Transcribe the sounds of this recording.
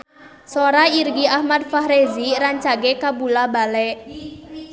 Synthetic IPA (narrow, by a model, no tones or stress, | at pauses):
soɾairɡiahmad̪̚faɦɾeziɾaɲt͡ʃaɡɛkabulabalɛʔ